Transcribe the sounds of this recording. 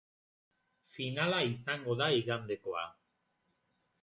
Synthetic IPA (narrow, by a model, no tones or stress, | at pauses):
finalaisaŋɡo̞ðaiɣand̪e̞ko̞a̰